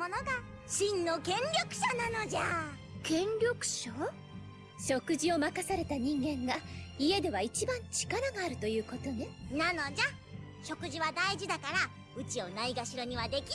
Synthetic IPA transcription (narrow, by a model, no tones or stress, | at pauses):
onoɡaɕĩnːo̞kẽ̞nɾʲjo̞kɯ̟̥ɕanano̞d͡ʑa | kẽ̞ɲɾʲo̞kɯ̟̥ɕo | ɕo̞kɯ̟ʑio̞makasaɾe̞t̪aɲ̟ĩŋɡẽ̞ŋɡaie̞d̪e̞βait͡ɕibãɲ̟t͡ɕi̥kaɾaɡaːɾɯ̟t̪o̞jɯ̟ːko̞t̪o̞nenano̞d͡ʑa | ɕo̞kɯ̟ʑiβad̪aiʑid̪akaɾa | ɯ̟t͡ɕio̞naiɡaɕiɾo̞ɲ̟iβad̪e̞kʲi